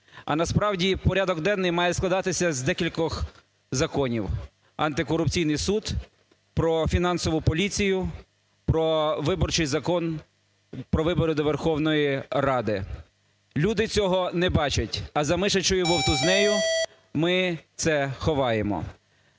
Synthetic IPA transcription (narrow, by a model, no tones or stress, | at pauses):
ɐ̰nɐspɾɑwdʲipɔɾʲaɑd̪ɔɡd̪ɛnːɪjmɑjɛsklˠɐd̪ɑt̪ɪsʲɐzd̪ɛkʲilʲkɔx | zɐkɔnʲiw | ɐnt̪ɪkɔɾʊp̚t͡sʲijnɪjsud̪ | pɾɔfʲinɑnsɔʋʊpɔlʲit͡sʲijʊ | pɾɔʋɪbɔrt͡ʃɪjzɐkɔn | pɾɔʋɪbɔɾʊd̪ɔʋerxɔwnɔjirɑd̪ɪ | lʲud̪ɪt͡sʲɔɦɔnɛbɑt͡ʃɐtʲɐzɐmɪʃɐt͡ʃʊjɔɦɔwt̪ʊznɛjʊ | mɪt̪sɛxɔʋɑjemɔ̰